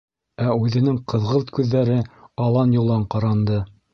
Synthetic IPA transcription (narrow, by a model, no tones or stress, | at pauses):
æʉðɘ̆nɘŋqɤ̆ðʁɤlˠt̪kʉðːæɾɘɑlˠɑnjŭlˠɑɴqɑɾɑnd̪ɤ